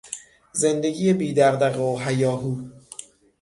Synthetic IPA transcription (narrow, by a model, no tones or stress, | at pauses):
ze̞nd̪e̞ɡiːjebiːd̪æʁd̪æɣeoɦæjɒːɦuː